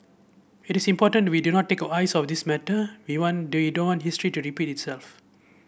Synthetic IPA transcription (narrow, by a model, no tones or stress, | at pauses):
itisĩmpɔtə̃ntwidunɔt̚ːekəajsɔfd̪ismɛtəwiwɔ̃nidõnwɔ̃ntɦistɹituɹipititsɛlf